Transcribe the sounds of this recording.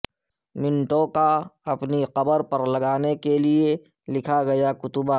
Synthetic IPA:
mɪ̃nʈõkaɐpniqɐbəɾpɐɾlɐɡaːnekelie | lɪkʰaɡɐjakʊt̪ʊbaː

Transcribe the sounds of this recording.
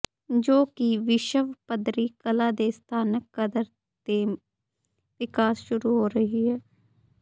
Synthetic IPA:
d͡ʒoːkiʋɪʃəʋpəd̪ɾiːkəlaːd̪eːst̪ʰaːnəkːəd̪əɾ | t̪eː | ʋɪkaːsʃʊɾuːɦoːɾəɦiːɦɛː

